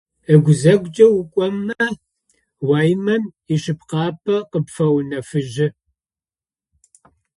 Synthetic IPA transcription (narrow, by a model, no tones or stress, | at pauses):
əɡʷʊzɐɡʷd͡ʒʼɐwʊkʷʼɔmːɐ | waːjmɐmiʃɪp̚qɑːpʰɐqəpfɐwnɐfɨʒɪ